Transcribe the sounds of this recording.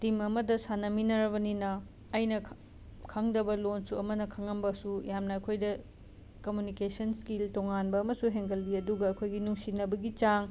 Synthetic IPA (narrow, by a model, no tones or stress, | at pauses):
timɐmɐdɐsanɐminɐɾɐβɐninɐː | jnɐ | kʰɐŋdɐbɐlonsuɐmɐnɐkʰɐŋɐmbɐsujamnɐːkʰojdɐ | kɐmjunikesɐnskiltoŋanbɐːmɐsuɦeŋɡɐlːiɐduɡɐɐkʰojɡinuŋsinɐbɐɡit͡ʃaŋ